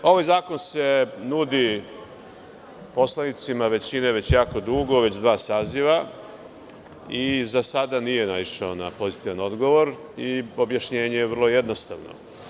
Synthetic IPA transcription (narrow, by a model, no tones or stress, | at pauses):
o̞ʋajzaːko̞nse̞nud̪i | po̞slˠanit̪simaʋe̞t͡ɕine̞ʋe̞t͡ɕjaːko̞d̪uɡo̞ʋe̞t͡ɕd̪ʋaːsaːziʋa | izasad̪anije̞naiʃaona̰po̞zit̪iʋano̞d̪ɡo̞ʋo̞ɾ | io̞bjaʃɲe̞ːɲejeʋər̩lˠo̞jed̪no̞st̪a̰ʋno̰